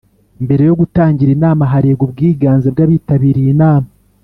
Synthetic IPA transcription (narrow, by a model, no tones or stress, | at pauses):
mbe̞ɾe̞jo̞ɡutaːɲɟiɾinaːmaɦaɾeːɡubɡiːɡaːnzebɡaβitaβiɾiːnaːma